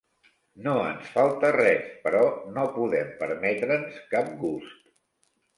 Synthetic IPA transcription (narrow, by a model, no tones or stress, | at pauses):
noənsfalˠt̪ərɛspəɾɔnopuðɛmpəɾmɛt̪ɾənskap̚ɡust̪